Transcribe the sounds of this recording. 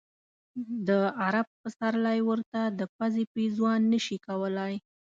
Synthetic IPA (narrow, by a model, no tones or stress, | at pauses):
d̪əaɾab̚pəsaɾlajwəɾt̪ad̪əpazepizwɑnːəʃikawəlaj